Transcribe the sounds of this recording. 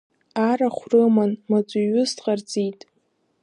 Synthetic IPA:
aɾaχʷrɨmanmat͡sʷʼuɥʊztʼqʼard͡zʼitʼ

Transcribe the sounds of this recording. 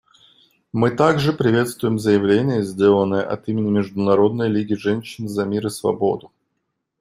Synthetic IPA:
mɨt̪aɡʐɨpɾʲɪvʲe̞t̪st̪vʊjɪmzəjɪvlʲenʲɪjəzʲdʲe̞lˠənːəjə̰ʔɐ̰t̪imʲɪnʲɪmʲɪʐd̪ʊnɐɾo̞d̪nəjlʲiɡʲɪʐɛnʲɕːɪnzɐmʲiɾɨsvɐ̰bo̞d̪ʊ

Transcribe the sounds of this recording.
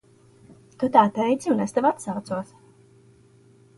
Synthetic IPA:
t̪ut̪aːt̪ɛjd̪siunest̪ɛvat̪sawt̪suɔs

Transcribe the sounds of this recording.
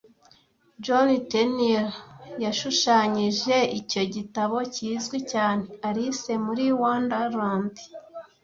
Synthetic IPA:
d͡ʒoniteniɾjaʃuʃaːɲiʒe̞ico̞ɟitaβo̞ciːzɡwicaːneaɾisemuɾiːwaːndaɾaːndi̥

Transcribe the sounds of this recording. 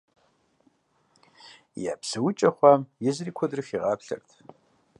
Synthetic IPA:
ja̰ːpsɨwʊt͡ʃʼɐχʷɑːmjɛzɨriːkʷʰɔdrɨfiːʁɑːpɬɐ̰rtʰ

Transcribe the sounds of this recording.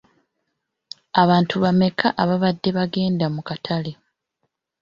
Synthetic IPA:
aβaːntʰuβame̞kʰaʔaβaβadːe̞βaɡe̞ːndamukatʰale

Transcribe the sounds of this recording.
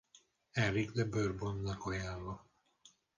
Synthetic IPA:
ɛrikd̪ɛbørbonːɒkɒjaːlvɒ

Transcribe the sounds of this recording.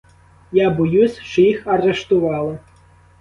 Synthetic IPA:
jabɔjusʲʃt͡ʃɔjixɐɾeʃt̪ʊʋɑlˠɪ

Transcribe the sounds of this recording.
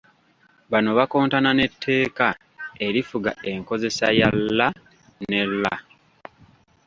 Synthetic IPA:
βano̞βako̞ːntanane̞tʰːe̞ːka | e̞ɾifuɡae̞ŋko̞ze̞sajalːa | ne̞lːa

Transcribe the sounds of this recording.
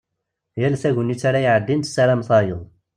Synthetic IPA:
jælθæʝənːit͡sːaɾajiʕəd̪ːint̪sæɾæmθˤɑjəðˤ

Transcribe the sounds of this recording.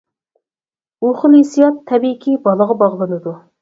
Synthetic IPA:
uχʊlˠisijɑt̪ʰːɛbikʲibɑlˠəʁɑbɑʁlˠɨnɨd̪u

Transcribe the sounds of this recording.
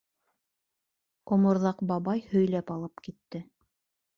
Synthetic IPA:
ŏmŏɾðɑqbɑβɑjhɵ̆jlæpɑlˠɤpkit̪ːɘ

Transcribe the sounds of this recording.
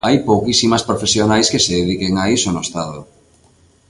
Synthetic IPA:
ajpowkisimɐspɾofesjonajskeseðeðikeŋaisonʊest̪aðo

